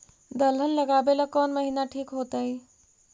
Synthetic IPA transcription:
d̪əlɦənləɡaːbeləkɔːnməɦinaʈʰiːkɦoːt̪əɦi

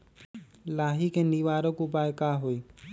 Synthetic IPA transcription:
laːɦiːkeːniʋaːɾokʊp̬aːjkaːɦoiː

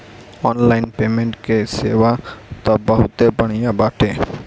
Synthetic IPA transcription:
ɔnlajnpemeɳʈkesewat̪ɔbəɦut̪ebəɽ̃ijabaʈʰe

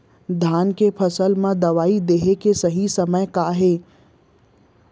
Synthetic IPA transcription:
d̪ʱaːnkepʰɐsəlmãd̪ɐʋaːid̪eɦekesɐɦisɐməjkaːɦeː

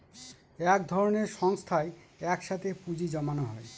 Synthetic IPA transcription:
ɛkd̪ʱɔɾoneɾʃɔŋst̪ʰae | ɛkʃat̪ʰepud͡ʑid͡ʑɔmanoɦɔe

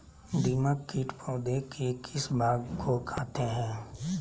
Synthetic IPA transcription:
d̪iːmakːɪʈpʰoːd̪ekʰekʰɪsbʱaːɡkʰokʰaːt̪eɦɛ̃ː

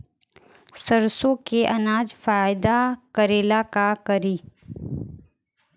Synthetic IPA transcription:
səɾsõkeʔɐnaːd͡ʒfaːɪd̪akəɾeːlakakəɾiː

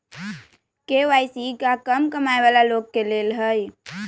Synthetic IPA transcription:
keʋaːjsikakəmkəmajʋalaloɡ̚keleːlɦəj

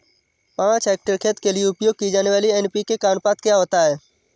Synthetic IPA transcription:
pãːt͡ʃɛːk̚ʈəɾkʰeːt̪kelijeʊpjoːɡ̚kid͡ʒaːneʋaːliɛnpikekaːnpaːt̪kjaɦoːt̪aɦɛː

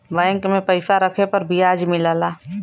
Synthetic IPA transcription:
ʋə̃ɪ̃ŋkmẽpɐɪsaɾəkʰepɐɾbʱiaːd͡ʒmɪlaːlaː

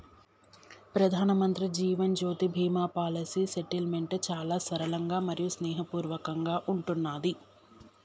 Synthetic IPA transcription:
pɾɐd̪ʱaːnɐmɐnt̪ɾid͡ʒiːʋɐnd͡ʒoːt̪ibʱiːmaːpaːlɐsiːseʈilme̞ɳʈt͡ʃaːlaːsɐɾɐlɐŋɡaːmɐɾijusnɛːɦɐpuːɾʋɐkɐŋɡaːʔuɳʈunːaːd̪i

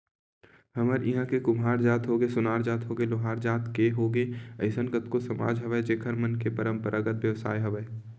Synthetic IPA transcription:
hɐməɾɪɦãkekʊmɦaːɾd͡ʒaːt̪ɦoːɡesʊnaːɾd͡ʒaːt̪ɦoːɡeloɦaːɾd͡ʒaːt̪keɦoːɡeːɐɪsənkət̪kosɐma̰ːd͡ʒɦɐʋəed͡ʒeːkʰəɾmənkepəɾə̃mpəɾʔaɡət̪ʋjəʋsa̰ːjɦɐʋəe

